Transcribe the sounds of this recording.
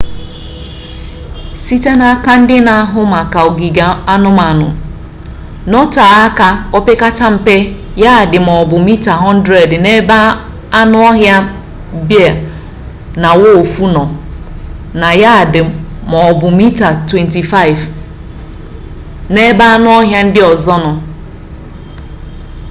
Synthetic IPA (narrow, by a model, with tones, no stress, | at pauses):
si˦te˦na˨˦ka˦n̩˦dɪ˦na˨a˦ɦʊ˦ma˨ka˨o˨ɡi˨ɡa˨a˦nʊ˦ma˨nʊ˨ | nɔ˦ta˨a˦ka˦ɔ˦pɪ˦ka˦ta˦m̩˨pe˦ | ja˦˨dɪ˨mɔ˨bʊ˨mi˦ta˨ɦɔ˦n̩˦dɾe˨dne˦ba˦ | a˦nʊ˦ɔ˦ɦja˦ | bja˨ | na˨wo˦o˨fu˦nɔ˨ | na˨ja˦˨dɪ˨mɔ˨bʊ˨mi˦ta˨twe˨nti˨fa˦ɪ˨v | ne˦ba˦a˦nʊ˦ɔ˦ɦja˦n̩˦dɪ˦ɔ˨zɔ˦nɔ˨